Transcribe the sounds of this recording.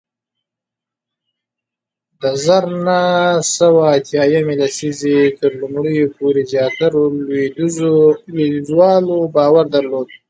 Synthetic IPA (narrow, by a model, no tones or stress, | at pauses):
d̪əzaɾnasawaːt̪jɑjamelasizet̪əɾlumɽəjopʰoɾezjɑːt̪aɾolwed̪ | lezwɑlobɑːwaɾd̪aɾlod̪̚